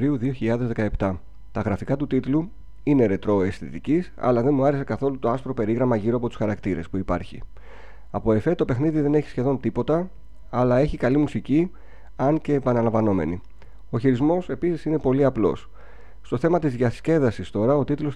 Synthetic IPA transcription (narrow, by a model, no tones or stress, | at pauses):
ɾiuðio̞çiʎɐðe̞zðe̞kɐe̞pt̪ɐ | t̪ɐɣɾɐfikɐt̪ut̪it̪lu | ine̞ɾe̞t̪ɾo̞e̞st̪it̪icisɐ̰lɐðe̞nmuɐɾe̞se̞kɐθo̞lut̪o̞ɐstpɾo̞pe̞ɾiɣɾɐmɐʝiɾoɐpo̞t̪u̥sxɐɾɐkt̪iɾe̞spuipɐ̰ɾçḭ | ɐpoe̞fe̞t̪o̞pe̞xniðiðe̞neçi̥sçe̞ðo̞nt̪ipo̞t̪ɐː | lɐe̞çikɐlimusici | ɐnce̞ːpɐnɐlɐɱvɐno̞me̞̰nḭ | o̞çiɾizmo̞se̞pisisine̞po̞liɐplo̞̰s | st̪o̞θe̞mɐt̪izðʝɐsce̞ðɐsist̪o̞ɾɐo̞t̪it̪lo̞s